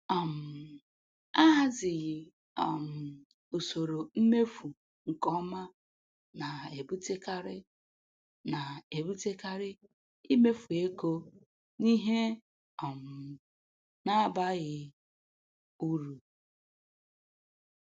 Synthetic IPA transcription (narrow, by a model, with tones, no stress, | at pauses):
a˨m̩˨ | a˦ɦa˦zɪ˨ɣɪ˨ | a˨m̩˨ | o˨so˨ɾo˨m̩˦me˦fu˨ | ŋ̩˨kɔ˦ma˦ | na˨e˨bu˦te˦ka˦ɾɪ˦ | na˨e˨bu˦te˦ka˦ɾɪ˦ | i˦me˦fu˨e˦ko˦ | ni˦ɦe˦ | ɔ˨m̩˨ | na˦ba˦ɣɪ˦ | u˦ɾu˨